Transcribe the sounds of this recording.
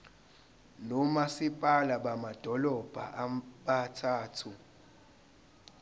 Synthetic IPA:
nɔmasipʼalaɓamad̥ʱɔlɔb̥ʱa̰ʔɓatʰaːtʰu

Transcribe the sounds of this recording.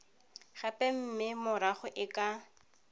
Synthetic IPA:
χapɛm̩mɪmʊɾaχʊʔɪkʼa

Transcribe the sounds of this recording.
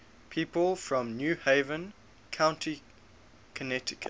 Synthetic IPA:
pʰiːˑpəlˠfɹə̃mnjʉːheɪvə̃n | kʰãʊ̃ntʰi | kʰənɛtɪkʰə

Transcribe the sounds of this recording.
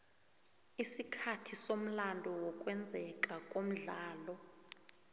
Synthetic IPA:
isikʰatʰisom̩landʱɔwɔkʼwɛnd͡zʱɛkʼakʼom̩ɮaːlɔ

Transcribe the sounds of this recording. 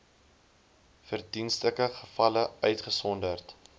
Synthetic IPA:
fərdinstəkəχəfɐləœɥtχəsɔndərt

